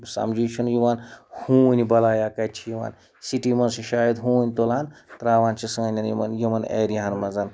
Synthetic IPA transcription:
sɐ̰md͡ʒiːt͡ʃʰunjiʋaːnhuːnʲibɐlaːjaːkɐt͡ʃʰijiʋa̰ːn | siʈimɐnsiʃaːjɐd̪ɦuːnʲt̪olaːnt̪ɾaːʋaːnt͡ʃʰisɐːnʲɐnjimɐ̰njimɐnḛːɾiɦanmɐzɐn

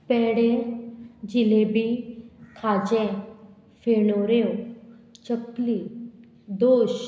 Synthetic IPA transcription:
pɛːɽe | d͡ʒilebik̪ʰaːd͡ʒẽ | fʰenoɾeõt͡ʃəkliː | d̪oːʃ

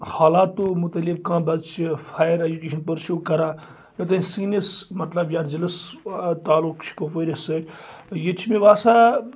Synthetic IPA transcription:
haːlaːt̪ːoːmʊt̪ɐlibkãːbɐzt͡ʃʰifʰaːjəɾɐd͡ʒukʲeːʃənpəɾʃoːkɐɾãː | jot̪̬ɐĩsiːnismɐt̪lɐbjaːɾd͡ʒɐləst̪aːlukt͡ʃʰi̥koːpəɾʲesəjet͡ʃʰimẽʋaːsa

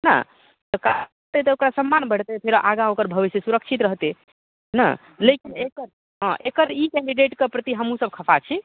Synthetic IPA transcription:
na̰ | t̪əkaəɾt̪et̪əokɾasəmːanbəɽt̪epʰeɾʔa̰ɡãokəɾbʱəʋisjəsuɾəkt͡ʃʰit̪ɾəɦt̪e | ɦna̰ | lekinekəɾ | ɦə̃ʔekəɾikɛɳɖiɖeʈkepɾət̪iɦəmusəb̚kʰəpʰat͡ʃʰi

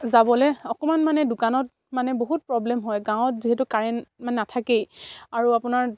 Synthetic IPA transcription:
zabɔlɛɔkɔmanmanɛdʊkanɔt̚ | manɛboɦut̚pɹɔblɛmɦɔjɡãw̃t̚ziɦɛtukaɹɛmanɛnatʰakejaɹuapʊnaɹ

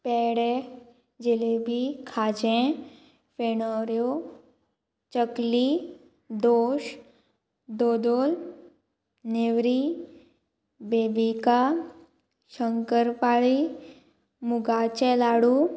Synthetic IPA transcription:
pɛːɽe | d͡ʒelebʱikʰaːd͡ʒẽ | penəɾjo | t͡ʃəkli | d̪oːʃ | d̪oːd̪oːl | newɾi | beːbika | ʃəŋkəɾpaːɭi | mʊɡat͡ʃɛlaːɽu

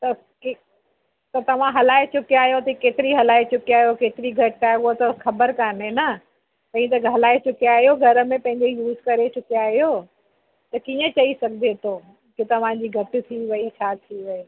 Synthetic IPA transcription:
t̪ɐ | k | t̪ɐt̪ɐʋ̤ãɦɐlaːet͡ɕʊkiaːɦijot̪ɐikeːt̪ɪɾiɦɐlaːet͡ɕʊkiaːɦijokeːt̪ɪɾiɡʱɐʈːaːɡot̪ɐxɐbəɾkaːnɦenɐ | t̪ɐɦĩt̪̬ɐɦɐlaːet͡ɕʊkiaːɦijoɡʱɐɾə̆mẽpɐ̃ɦɪ̃ɲd͡ʑejuːzkɐɾet͡ɕʊkiaːɦijo | t̪ɐkiːə̃t͡ɕɐisɐɡ̚ʱd̪ʱet̪ʰoː | kɪt̪ɐʋ̤ãd͡ʑiːɡʱɐʈɪ̆t̪ʰiʋɐit͡ɕʰaːt̪ʰiʋɐe

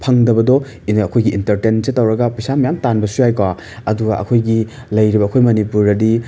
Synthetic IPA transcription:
pʰɐŋdɐbɐdɔ | inɐkʰojɡiʔːntɐɾtensetːɐwɾɐɡɐpisamɐjamtanbɐsujajkwa | ɐduɡaʔɐ̰kʰojɡi | lɐjɾibɐːkʰojmɐnipuɾɐdi

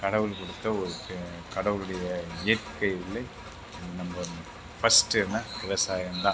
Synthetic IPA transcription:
kɐɽɐʋɯlkɔɽɯt̪ːɐɔɾɯkɐɽɐʋɯlɯɽɐjɐeːʈkɐjɪlːɐ | nɐmbɐ | fɐsʈːɛnːɐɪʋɐsaːjɐmd̪ãː

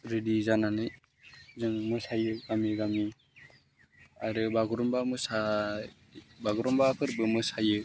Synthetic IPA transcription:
ɾidizananɯj | zɯŋmɯsajɯɡamiɡami | aɾɯbaɡuɾɔmbamɯsa | baɡɔɾɔmbapʰɯɾbɯmɯsajɯ

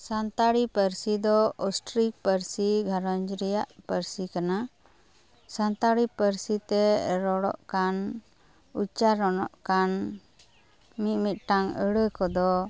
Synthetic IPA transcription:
sant̪aɽipəɾsid̪ɔɔsʈɾik̚pəɾsiɡʱaɾɔɲd͡ʒɾɛjaʔpəɾsikana | sant̪aɽipəɾsit̪ɛɾɔɽɔ̰ʔkan | ut͡ʃaɾɔnɔʔkan | mit̪̚ˀmit̪̚ˀʈaŋəɽəkɔd̪ɔ

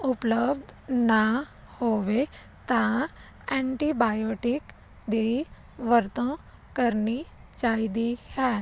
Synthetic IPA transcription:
upləbd̪ʱna | hoʋe | t̪ã | ɛ̃ɳʈibajoʈik | d̪e | ʋəɾt̪ə̃ | kəɾnit͡ʃaɦid̪ihɛ̃

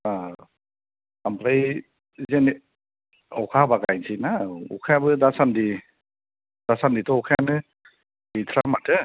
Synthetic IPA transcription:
a | ampɾaj | zeni | ɔ̰wkʰabaɡajnsʰinaṵkʰajabɯdasandi | d̥asanditɔukʰajanɯ | itʰɾamatɯ

